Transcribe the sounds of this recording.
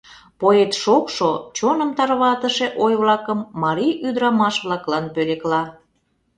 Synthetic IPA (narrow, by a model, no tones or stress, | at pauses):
poet̪ʃokʃot͡ɕonəmt̪ɑrβɑt̪əʃeʔojβlɑkəmːɑɾijʔyd̪ɾɑmɑʃβlɑklɑnpøleklɑ